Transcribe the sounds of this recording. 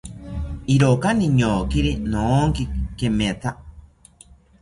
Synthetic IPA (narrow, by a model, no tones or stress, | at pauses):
iɾokaniɲoːkiɾinoːŋkikemet̪ʰa